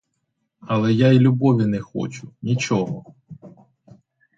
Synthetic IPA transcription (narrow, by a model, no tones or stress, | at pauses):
ɐlˠɛjailʲubɔʋʲinɛxɔ̰t͡ʃʊnʲit͡ʃɔɦɔ